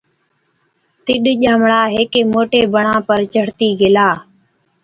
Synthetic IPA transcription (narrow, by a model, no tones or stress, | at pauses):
t̪ɪɗʄaːmɽaːɦeːkeːmoːʈeːbəɳãːpəɾt͡ʃəɽt̪iːɡelaː